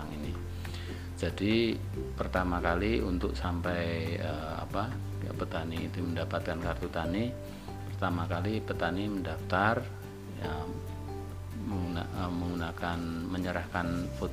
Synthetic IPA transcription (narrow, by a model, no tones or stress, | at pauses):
aŋini | d͡ʒadi | pərt̪amakaliunt̪ʊk̚sampɛjə | a̰pa̰ | pət̪anḭːt̪uməndapat̪̚kankart̪ut̪ani | pərt̪amakalipət̪animəndaft̪ar | ja | məŋɡunaəməŋɡunakanməɲəɾahkanfot̪